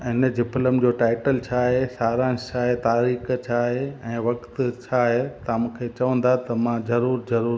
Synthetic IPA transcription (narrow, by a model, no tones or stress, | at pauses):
ɪnə̆d͡ʑɪpʰɪləmd͡ʑoːʈaːɪʈəlt͡ɕʰaːɦesaːɾãːt͡ɕʰaːɦet̪aːɾiːxt͡ɕʰaːɦeɛ̃ːʋɐkt̪t͡ɕʰaːɦet̪ɐmũːkʰet͡ɕɐʋə̃n̆d̪at̪ɐmãzɐɾuːɾzɐɾuːɾ